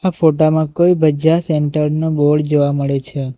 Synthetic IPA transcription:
afoʈamãkoibəd͡ʒaseɳʈəɾnoboɽd͡ʒoʋaməɭet͡ʃʰe

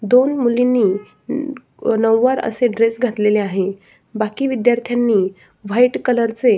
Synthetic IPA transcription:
d̪onmulinːiː | nəwːəɾə̰seɖɾesɡʱat̪leleaɦe | bakiːʋid̪jaɾt̪ʰjanːiː | ʋ̤ajʈkələɾt͡se

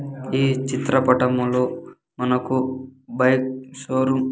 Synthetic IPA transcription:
iːt͡ʃit̪ɾɐpɐʈɐmuloː | mɐnɐkubɐjk̚soːɾum

